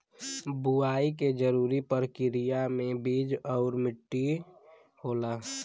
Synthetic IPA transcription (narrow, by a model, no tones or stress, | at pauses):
buaːik̬ed͡ʒəɾuːɾipəɾkɪɾijamẽbiːd͡ʒɔʊɾmɪʈːi | hoːlaː